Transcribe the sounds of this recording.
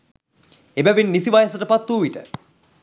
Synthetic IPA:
ebæʋenːisiʋajəsəʈəpat̪ːuːiʈə̰

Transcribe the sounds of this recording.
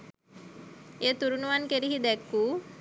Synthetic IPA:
eːt̪uɾunuʋankeɾiɦid̪ɛkːu

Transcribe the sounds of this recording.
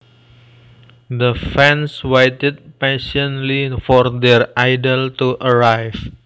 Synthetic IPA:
d̪əfɛ̃nswejtɪd̚pɛʃənlifɔrd̪ɛrajdəlt̪uʔəɾajf

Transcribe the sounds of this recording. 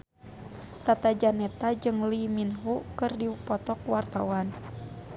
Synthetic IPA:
t̪at̪ad͡ʒanɛt̪ad͡ʒɨŋliminɦukɨrdipɔt̪ɔkwart̪awan

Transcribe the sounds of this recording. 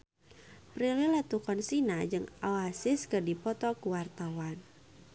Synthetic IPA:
pɾililat̪ukɔnsinad͡ʒɨŋawasɪskɨrdipɔt̪ɔkuwart̪awan

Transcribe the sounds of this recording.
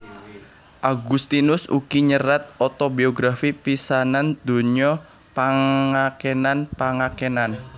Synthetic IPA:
ʔaɡust̪inʊsṵkiɲəɾat̪̚ɔt̪ɔbioɡɾafipisanand̪̥o̤ɲɔ | paŋakenanpaŋakenan

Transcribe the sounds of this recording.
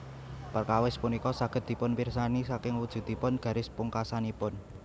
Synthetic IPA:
pərkawɪspunikɔsaɡ̥ə̤t̪̚d̪̥i̤pʊnpirsanisakɪŋwud̥ʒ̥ṳd̪̥i̤pʊnɡ̥ä̤ɾɪspuŋkasanipʊn

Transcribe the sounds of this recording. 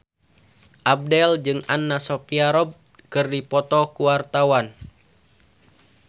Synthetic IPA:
ʔab̚dɛld͡ʒɨŋanːasɔpiaɾɔb̚ | kɨrdipɔt̪ɔkuwart̪awan

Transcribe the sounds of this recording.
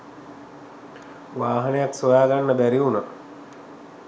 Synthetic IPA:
ʋaːɦɐnejaksojaːɡanːəbæɾiunə

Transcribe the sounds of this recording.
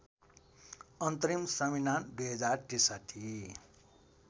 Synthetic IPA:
ʌnt̪ʌɾimsʌminand̪ujɦʌd͡zaɾʈisat̪ʰi

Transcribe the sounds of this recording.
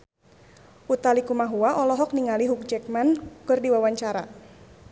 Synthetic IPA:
ʔut̪alikumaɦuaʔɔlɔɦɔk̚niŋaliɦuk̚d͡ʒɛk̚mankɨrdiwawaɲt͡ʃaɾa

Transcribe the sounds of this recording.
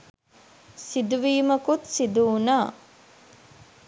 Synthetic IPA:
sid̪uʋiːmɐkut̪sid̪uːnaː

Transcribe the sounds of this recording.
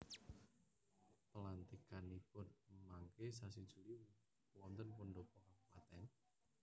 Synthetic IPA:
pəlant̪ikanipʊnmaŋkesasid̥d͡ʒ̥ṳli | wɔnt̪ənpoɳɖɔpɔkaŋpat̪ɛn

